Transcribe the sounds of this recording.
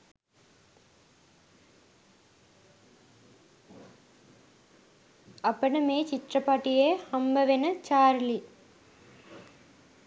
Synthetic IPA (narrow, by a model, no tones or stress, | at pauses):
ɐpːɐɽɐmeːt͡ʃɪʈrɐpaːʈːijeːhɐmbɐʋenɐt͡ʃaːɾli